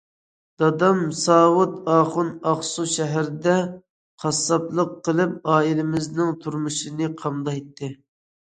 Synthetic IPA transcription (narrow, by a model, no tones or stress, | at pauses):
d̪̥ɑd̪ɑmsɑːwʊt̪ɑːχʊnɑχsuʃɛɦæɾd̪ɛ | qʰɑsːɑplˠəqːəlˠɨp̚ɑːilɪmɪznɪŋt̪ʰuɾmuʃɨnɨqʰɑmd̪ɑet̪ʰːɪ